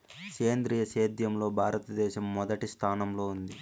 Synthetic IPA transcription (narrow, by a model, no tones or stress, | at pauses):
keːnd̪ɾiːjɐʃeːd̪jɐmlo̞ːbʱaːɾɐt̪ɐd̪ɛːʃɐmːɔd̪ɐʈist̪ʰaːnɐmlo̞ːund̪i